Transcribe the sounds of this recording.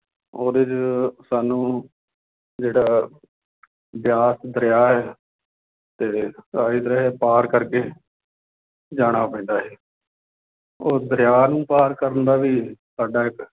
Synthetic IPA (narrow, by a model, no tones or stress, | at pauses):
oːd̪ɪt͡ʃsaːnũː | d͡ʒeːɽaː | bjaːsd̪əɾjaːɦɛː | t̪eːaːiːd̪ɾɛːɦɛːpaːɾkəɾkeː | d͡ʒaːɽ̃aːpə̃ːd̪aːɦɛː | oːd̪əɾɪjaːnũːpaːɾkəɾənd̪aːʋiːsaːɖaːɪk